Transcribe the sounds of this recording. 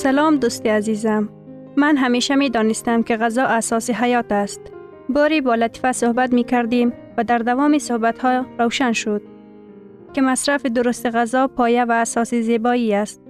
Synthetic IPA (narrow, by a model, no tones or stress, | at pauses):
salɒmd̪ust̪iazizamː | anɦameʃamed̪ɒnɪst̪amkɪɣazɒʔasɒsɪɦajɒt̪ast̪ | bɔɾibɒlat̪i̥fasʊhbat̪̬mikaɾd̪im | vad̪aɾd̪avɒmisʊhbat̪hɔɾawʃanʃʊd̪̥̚ | kɪmasɾafid̪ʊɾʊst̪ɪɣazɒpʰɒjavaːsɒsɪzebɔiast̪̚